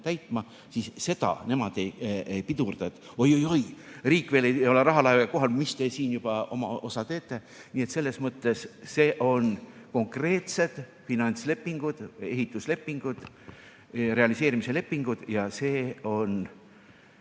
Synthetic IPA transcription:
t̪æjt̪ˑmɑ | sisse̞d̪ɑ̰ne̞mɑd̪̥e̞jejpid̪urd̪̥ɑt̪ː | o̞jo̞jo̞jriːkveːlejjo̞leɾɑɦɑlɑjveko̞ɦɑlmist̪e̞siːnjub̥ɑo̞̰mɑ̰ʔosɑt̪e̞ːt̪ːe̞ | niːe̞t̪se̞lːe̞smɤt̪ːˑe̞sse̞ːʔo̞nko̞ŋkre̞ːt̪se̞d̪̥ | finɑnʲt̪sle̞pːiŋɡ̥ud̪̥e̞̰ɦit̪ːˑusle̞pːiŋɡ̥ud̪̥ | re̞ɑlise̞ːɾimise̞le̞pːiŋɡ̥ud̪̥jɑse̞ːo̞n

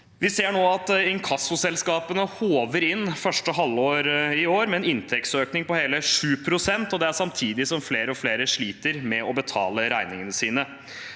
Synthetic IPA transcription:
ʋɪseːɳoːɑt̪ɪŋkʰɑsʊsɛlskɑːpənəhoːʋəɾɪnːfœʂʈəɔɦɑlːoːɾɪoːɾmɛɛnɪnt̪ʰɛksøːknɪŋpɔheːləʂʉːpʰɾʊsɛnt̪ɔd̪ɛæsɑmt̪ʰiːd̪ɪsɔmfleːɾəɔfleːɾəʂɭiːt̪əɾmɛɔbət̪ʰɑ̰ːləɾæɪnɪŋənəsiːnə

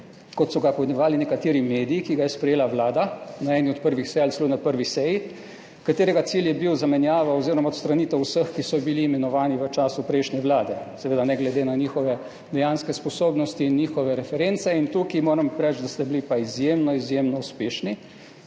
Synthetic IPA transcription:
kɔt̪sɔɡapɔznɛʋaːlinɛkat̪eːɾimeːd̪ijikiɡajɛspɾɛjeːlaʋlaːd̪anaɛːniɔt̪̚pəɾʋixsɛjalslunapəɾʋisɛji | kat̪eːɾɛɡat̪siljɛbiwzamɛnjaːʋaɔziːɾɔmaɔt̪st̪ɾaniːt̪ɛwusəxkisɔbiliːmɛnɔʋaːniʋət͡ʃaːsupɾɛjʃnɛʋlaːd̪ɛsɛʋeːd̪anɛɡlɛd̪enaniːxɔʋɛ | d̪ɛjanskɛspɔsoːbnɔst̪iːnːiːxɔʋɛɾɛfɛɾent̪sɛint̪ukimoːɾəmpɾɛt͡ʃd̪ast̪ɛbilipaizjemnɔizjemnɔuspeːʃni

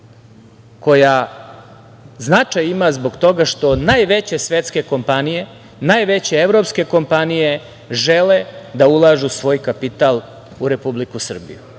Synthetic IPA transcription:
ko̞ja | znat͡ʂajimazboɡt̪o̞ɡaʃt̪o̞naːjʋe̞t͡ɕesʋjet̪ske̞ko̞mpanije̞ | naːjʋet͡ɕe̞eʋɾo̞pske̞ko̞mpanije | ʒeled̪aulˠaːʒusʋo̞ːjkapit̪aːl | uɾe̞publikusr̩bḭjṵ

